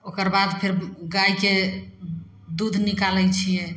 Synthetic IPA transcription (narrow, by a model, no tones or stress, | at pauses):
okəɾbad̪pʰeɾɡajke | d̪ud̪ʱnikalɛjt͡ʃʰijɛ